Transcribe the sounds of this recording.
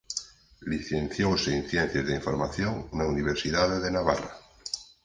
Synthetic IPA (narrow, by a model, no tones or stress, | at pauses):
liθen̟θjowseinθjen̟θjezðeiɱfoɾmaθjoŋnauniβ̞eɾsiðaðeðenaβa̰ra